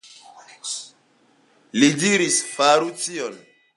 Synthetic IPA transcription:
lidiɾisfaɾut͡siɔn

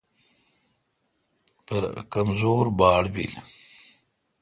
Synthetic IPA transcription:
pəɾkamzoːɾbɑːɽbḭl

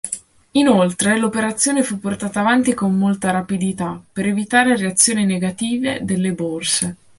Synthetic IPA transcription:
inolt̪ɾelopeɾat̪sːjoːnefupːort̪aːt̪aːvant̪ikomːolt̪aɾapid̪it̪apːeɾevit̪aːɾereat̪sːjoːnineɡat̪iːved̪elːeborse

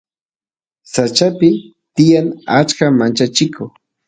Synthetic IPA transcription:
sat͡ʃapɪ | t̪ɪjaŋat͡ʃkamant͡ʃat͡ʃɪkoχ

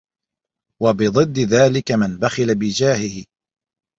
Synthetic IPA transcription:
wabɪd̪ˤɨd̪ːɪðaːlɪkamɪnbaxɪlabɪd͡ʒaːhɪhɪ

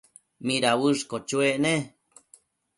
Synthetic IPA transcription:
miɾawɨʂkot͡ʃueʔne

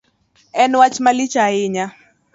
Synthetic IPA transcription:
ɛnwat͡ʃmalit͡ʃaɪɲa

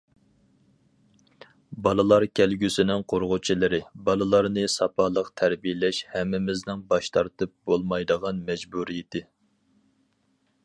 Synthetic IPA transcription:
bɑlˠɨlˠɑɾkʲʰælɡʲysɪnɪŋqʰoɾʁʊt͡ʃʰilˠɨɾɪbɑlˠɨlˠɑɾnɨsɑpʰɑːlˠəqt̪ʰæɾbijɪlɛʃhɛmːɪmɪznɪŋbɑʃt̪ʰɑɾt̪ɨp̚bolˠmɑjd̪əʁɑnmɛd͡ʒbuɾijɪt̪ʰɪ

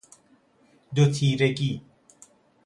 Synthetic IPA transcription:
dotʰiɾeki

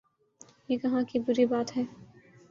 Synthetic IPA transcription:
jeːkɐɦãkibʊɾibaːt̪ɦɛː

